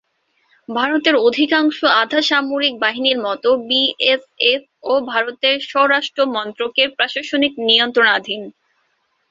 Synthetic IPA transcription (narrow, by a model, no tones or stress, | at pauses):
bʱaɾot̪eɾod̪ʱikaŋʃoad̪ʱaʃamoɾik̚baɦiniɾmɔt̪obiefef | obʱaɾot̪eɾʃɔɦoɾaʃʈɾomɔnt̪ɾokepɾaʃaʃoniknijont̪ɾonad̪ʱin